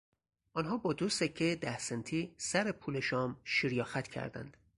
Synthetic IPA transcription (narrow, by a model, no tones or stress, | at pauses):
ʔɒnɦɒːbɒːd̪usecʰːed̪æhsent̪ʰiːsæɾepʰuːleʃɒːmʃiɾjɒːxæt̪ʰcʰæ̰ɾd̪æ̰nd̪̥